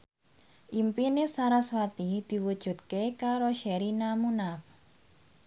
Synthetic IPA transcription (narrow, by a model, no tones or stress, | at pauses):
ʔimpinesaɾaswat̪id̪̥i̤wud̥ʒ̥ṳt̪̚kekaɾoʃɛɾinamunaf